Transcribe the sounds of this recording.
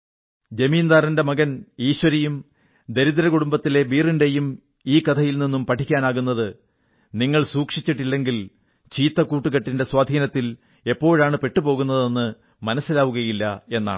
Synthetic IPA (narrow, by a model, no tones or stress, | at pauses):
d͡ʑemiːnd̪aːrinde̞mɐɣɐniːɕwɐɾijum | d̪eɾiðɐɾɐkuɽumbɐt̪ːile̞biːrinde̞jum | iːkɐt̪ʰɐjilninːumpɐʈʰikʲːaːnaːɣunːɐðɨ | niŋːɐɭsuːkʂit͡ɕːiʈːilːe̞ŋɡil | t͡ɕiːt̪ːɐkuːʈːuɣɐʈːinde̞swaːd̪ʱiːnɐt̪ːil | e̞pːo̞ːɻaːɳɨpe̞ʈːupo̞ːɣunːɐðe̞nːɨ | mɐnɐsːilaːʋuɣɐjilːɐe̞nːa̰ːɳɨ